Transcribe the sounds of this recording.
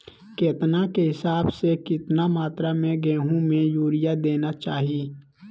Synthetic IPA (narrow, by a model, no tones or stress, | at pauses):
keːt̪nakeɦɪsaːbsekɪt̪namaːt̪ɾamẽɡɛ̃ːɦũmẽjuːɾɪjad̪eːnat͡ʃaːɦiː